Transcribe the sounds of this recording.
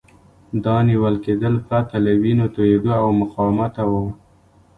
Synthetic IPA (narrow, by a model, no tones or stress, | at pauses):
d̪ɑniwəlked̪əlpɾat̪alawinot̪ojed̪oawmʊqɑwmat̪awa